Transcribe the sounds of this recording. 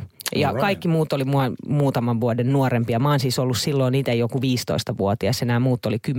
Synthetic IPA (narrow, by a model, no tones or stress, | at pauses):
jɑkɑikːimuːt̪ːˑolimuɑmuːt̪ɑmɑʋʋuodennuorempiɑmɑnsiːsolːussilːoːnniːt̪eijokuʋiːst̪o̰ist̪ɑʋuot̪iɑsenæːmuːt̪ːolikym